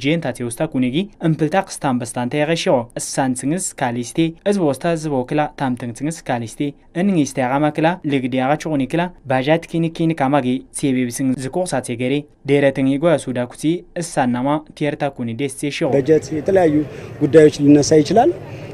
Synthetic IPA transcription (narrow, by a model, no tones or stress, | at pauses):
d͡ʒent̪at͡sewust̪akuniɡiɨmpɨlt̪akɨ̥st̪ambəst̪ant̪ajɣeʃiɣoɨssant͡sɨŋɨskalist̪eɨz̬bowɔst̪azɨβokɨlat̪amt̪ɨŋt͡sɨŋɨskalist̪e | ɨnɨŋist̪ajaɣamakɨlalɨɡdejaɣat͡ʃuɣunikɨlabaʒat̪kinikinikamaɡet͡seβebsɨŋzɨkuxsat͡seɡəɾe | deɾət̪ɨŋiɡojasudaku̥t͡siɨssanːamatieɾt̪akunidest͡seʃiɣoəd͡ʒət̪jɛt̪ʰələjajːuɡudːajwot͡ʃːlinːəsajɪt͡ʃɪlal